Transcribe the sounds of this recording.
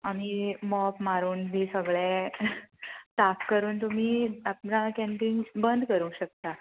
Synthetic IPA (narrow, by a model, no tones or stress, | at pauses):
am̤iːmɔpmaɾuːnb̪ʱiːsəɡɭẽ | t̪akːəɾuːnt̪um̤iːap̚nakɛ̃ɳpiŋbənd̪ʱkəɾũɕək̚t̪a